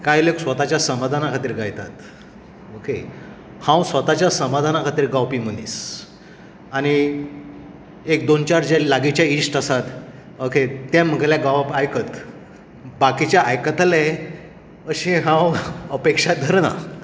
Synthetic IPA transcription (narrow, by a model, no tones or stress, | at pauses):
kajleksʋət̪at͡ɕjasəmad̪ʱanakʰat̪iːɾɡajt̪a̰t̪ | oke | hãwsʋət̪at͡ɕjasəmad̪ʱanakʰat̪iːɾɡawpim̤ənḭːs | añi | ek̚d̪ont͡ɕaɾd͡ʑelaɡit͡ɕjaisʈəsat̪ | oket̪ɛ̃m̤ːəɡljaɡawpajkət̪ | bakit͡ɕjaʔajkət̪ale | əɕĩɦãwəpekʂad̪ʱəɾna̰